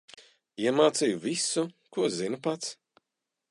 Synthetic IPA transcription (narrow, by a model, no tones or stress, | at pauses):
iɛmaːt̪sijuvisu | kuɔzinɨpat̪s